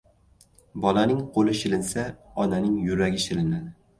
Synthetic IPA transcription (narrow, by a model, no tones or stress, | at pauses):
bɒlˠanɪŋqʰolˠɪʃɪlɪnsaɒnanɪŋjʊɾaɡʲɪʃɪlɪnad̪ɪ